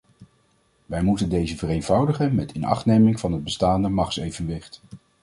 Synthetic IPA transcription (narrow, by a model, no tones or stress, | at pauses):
ʋɛjmutəndejzəvərejnvʌwdəχənmɛtʰɪnɑ̰χtnejmɪŋvɑnɦəd̚bəstaːndəmɑχtsejvənʋɪχt